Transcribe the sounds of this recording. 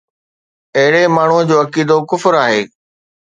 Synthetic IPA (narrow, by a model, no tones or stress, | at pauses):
ɐɦɪɽemaːɳ̤ud͡ʑoːɐkiːd̪okʊfɾaːɦḛː